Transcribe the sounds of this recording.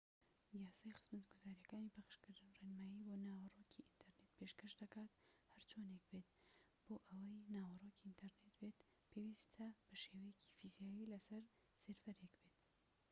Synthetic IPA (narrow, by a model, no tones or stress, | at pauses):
jaːsaːjxɨ̥z̥mɐt̪ɡuzaːɾijɐkaːnipʰɐxʃkɨɾd̪ɨnrenmaːjiːboːnaːwɐroːkʰiʔint̪ʰɐɾnet̪pʰeʃkɐʃd̪ɐkaːt̪hɐɾt͡ʃʰonek̚bet̪ | b̥oːʔɐwɐjnaːwɐroːciint̪ʰɐɾnet̪bet̪ | pʰewist̪ʰɐb̥ɐʃeːwɐjɛcʰi̥fizijaːjilɐsɐɾ | seɾfɐɾekbet̪